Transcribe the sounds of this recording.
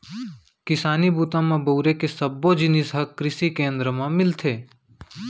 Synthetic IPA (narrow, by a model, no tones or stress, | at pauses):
kɪsaːnibuːt̪ãmãboːɾekesəbːod͡ʒɪnɪsɦəkːɾɪsikẽːnd̪ɾəmãmɪlt̪ʰeː